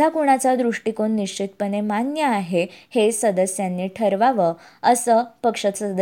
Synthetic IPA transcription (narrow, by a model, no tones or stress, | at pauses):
akuɳ̃at͡sad̪ɾuʂʈikoɳːiɕt͡ɕit̪pənemanjəaɦehesəd̪əsjanːiːʈʰəɾʋaʋəəsəːpəkʂət̪sd̪